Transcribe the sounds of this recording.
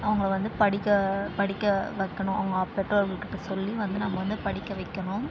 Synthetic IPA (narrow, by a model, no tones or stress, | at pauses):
ɐʋɐŋɡɐɭʋɐnd̪ɯpɐɽɪkːɐpɐɽɪkːɐʋɐɪkːɐɳʊ̃ʔɐʋɐŋɡɐɐːpːɛʈːoɾɡɐkːɪʈːɯsɔlːiʋɐnd̪ɯnɐmːɐʋɐnd̪ɯpɐɽɪkːɐʋɐɪkːɐɳʊ̃